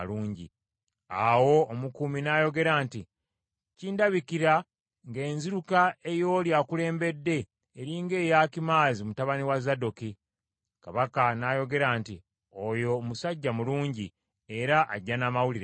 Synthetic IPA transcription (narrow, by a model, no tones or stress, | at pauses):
luːɲɟḭ | awo̞ːmukuminajo̞ɡe̞ɾaːnti | ciːndaβikiɾa | ŋɡe̞ːnziɾukae̞jo̞ːljaːkule̞ːmbe̞dːe̞ː | ɾiŋɡe̞ːjaːkimaːzimutaβaniwazadoki | kaβakanajo̞ɡe̞ɾaːnti | ojo̞musaɟːamuluːɲɟi | e̞ɾaʔaɟːanaːmawuliɾa